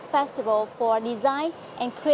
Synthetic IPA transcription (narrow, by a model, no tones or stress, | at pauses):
fɛstivəlfɔɹdizãj̃n | ʔɛ̃nkʰɾi